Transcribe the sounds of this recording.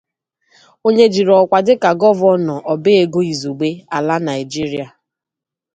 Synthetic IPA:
o˦ɲe˦d͡ʒi˨ɾɔ˨kʷa˨dɪ˦ka˨ɡɔ˦vɔ˦nɔ˨ʔɔ˨bɪ˦e˦ɡo˦i˨zu˨ɡ͡be˦a˨la˦na˨ɪ˨d͡ʒi˦ɾi˦a˨

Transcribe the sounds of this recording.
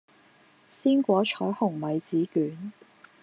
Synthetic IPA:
siː˥nkʷɔː˨˥t͡ʃʰɔː˨˥hʊ˨˩ŋmɐ˨˧jt͡siː˨˥kyː˨˥n

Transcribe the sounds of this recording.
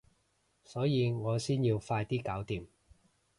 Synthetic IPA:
sɔː˨˥jiː˨˧ŋɔː˨˧siː˥nji˧wfaː˧jt̪iː˥kaː˨˥wt̪iː˨m

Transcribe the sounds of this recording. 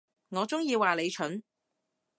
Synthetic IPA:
ŋɔː˨˧t͡sʊ˥ŋjiː˧waː˨˩le˨˧jt͡ʃʰɵ˨˥n

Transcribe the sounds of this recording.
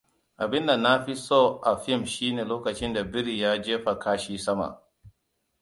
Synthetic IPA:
ʔa˨bɪ˦nda˨nːa˦ɸi˦soː˦ʔa˨ɸɪ˦˨mʃiː˦neː˨loː˦kɐ˨t͡ʃɪ˦nda˨bɪ˦ɾi˨jaː˦d͡ʒeː˦ɸa˨kʰaː˦ʃiː˦sɐ˦ma̰˨ʔ

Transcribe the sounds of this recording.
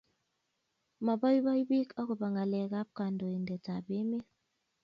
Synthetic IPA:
ma˨bɔ˦jbɔ˦jbi˦kɔ˦ku˨ba˨ŋa˨lɛ˨ka˦p̚ka˨ndo˨i˨ndɛ˨ta˨bi˦mi˦

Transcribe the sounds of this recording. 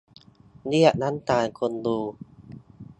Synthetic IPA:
ni˦˥˩ə˩ʔna˦˥nt̪aː˧jkʰo˧nduː˧˩

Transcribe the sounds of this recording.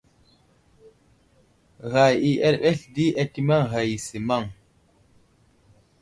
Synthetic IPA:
ɣa˨ji˨ʔɛ˦lɓɛ˦ɬdi˦ʔɛ˦ti˦ma˦ŋɣa˨ji˨si˨ma˦˨ŋ

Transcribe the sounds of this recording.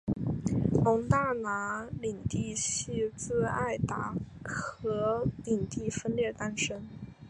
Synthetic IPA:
lʊ˧˥ŋt̪a˥˩na˧˥li˨˩ŋt̪i˥˧ɕi˥˧t͡sɹ̩˥˧a˥˩ɪt̪a˨˩ | xɤ˧˥li˨˩ŋt̪i˥˩fə˥nljɛ˥˩t̪a˥nʂə˥n

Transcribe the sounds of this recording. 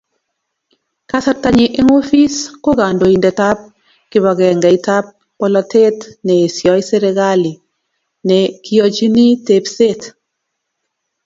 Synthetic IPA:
ka˦sa˦ɾta˦ɲɪ˦ʔɛ˦ŋo˦fi˦sko˦ɡa˨ndo˨i˨ndɛ˨ta˦p̚ | kɪ˨βa˨ɡɛ˨ŋɡa˨i˨ta˦p̚ːɔ˦lɔ˨te˦tnɛ˨e˨sjɔ˨i˦sɛ˦ɾɛ˦ɡa˦li˨ | nɛ˨ki˦ɔ˨t͡ʃi˦ni˦te˨pse˦t

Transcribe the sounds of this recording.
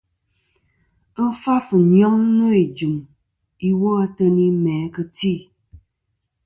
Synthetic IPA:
fa˦fə˨ɲjɔ˦ŋno˦i˨d͡ʒu˨m | i˦wo˦a˦tə˦ni˦mɛː˨˦kə˦ti˦˨

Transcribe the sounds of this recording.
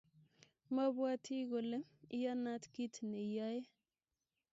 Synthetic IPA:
ma˦bwa˦tʰi˦ɡo˨le˦i˦ja˦na˦tki˦tne˨ja˦je˦

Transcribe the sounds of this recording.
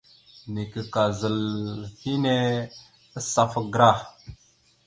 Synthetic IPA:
ni˨kə˨ka˨zə˨lhi˦ne˦ | ə˦sa˦fə˦ɡɾa˦˨

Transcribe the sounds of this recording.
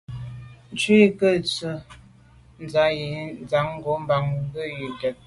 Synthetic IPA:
n˦t͡ʃwi˦˨kə˦˨t͡sə˨ | n̩˨˦za˨˦ji˨˦n˦d͡za˨˦ŋ̩˦ɡo˨˦m˦ba˨˦ŋ˦ɡə˦˨ji˨tɛ˨t̚

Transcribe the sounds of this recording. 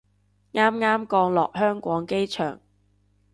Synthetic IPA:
ŋaː˥mŋaː˥mkɔː˧ŋlɔ̰ː˨k̚hœː˥ŋkʷɔː˨˥ŋke˥jt͡ʃʰœ̰ː˨˩ŋ

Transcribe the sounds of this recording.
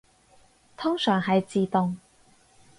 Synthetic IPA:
t̪ʰʊ˥ŋsœː˨˩ŋɦɐ˨jt͡siː˨˧t̪ʊ˨˧ŋ

